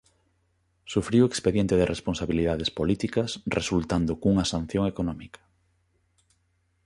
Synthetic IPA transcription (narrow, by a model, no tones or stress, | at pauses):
sufɾiwekspeðjɛnt̪eðerʔesponsaβiliðaðespolit̪ikɐsrʔesult̪and̪ʊkuŋɐsãn̟θjõŋekonɔmikɐ̥